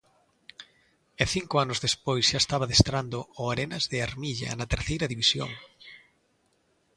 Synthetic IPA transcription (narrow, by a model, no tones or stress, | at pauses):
ɛθiŋkʊanʊzðespojsʃaest̪aβɐðest̪ɾand̪ooaɾenɐzðɪaɾmiʎɐ̰nɐt̪eɾθejɾɐðiβisjo̰ŋ